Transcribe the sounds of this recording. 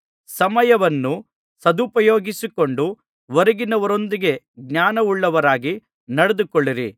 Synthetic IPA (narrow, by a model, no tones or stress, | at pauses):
sɐmɐjɐʋɐnːu | sɐd̪upɐjoːɡisikoɳɖu | ʋɐɾɐɡinɐʋɐɾo̞nd̪iɡe̞ | ɡɲaːnɐuɭːɐʋɐɾaːɡi | nɐɽed̪ukoɭːiɾi